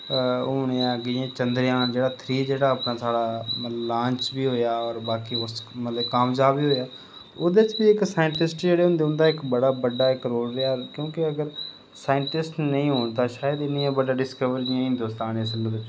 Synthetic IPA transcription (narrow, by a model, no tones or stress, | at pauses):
ʊːneãɡɪãːt͡ʃənd̪ɾɪjãːnd͡ʒeːɽaːt̪ʰɾiːd͡ʒeːɽaːəpnaːsaːɽaːlãːɲt͡ʃbiːɦoːjaːɔːɾbaːkiːʊsmət̪ləbkaːmd͡ʒaːbiːɦoːjaː | oːd̪eːt͡ʃbiːɪksaːɪɳʈɪsʈd͡ʒeːɽeːɦʊ̃nd̪eːʊ̃nd̪aːɪkbəɽaːbəɖaːɪkɾoːlɾeakjõːkɪəɡəɾ | saːɪɳʈɪsʈnəĩːɦoːɳt̪aːʃaːjəd̪ɪnɪjãːbəɖaːɖɪskəʋəɾjãːɦɪ̃nd̪oːst̪aːnesəlːd̪ɪt͡ʃ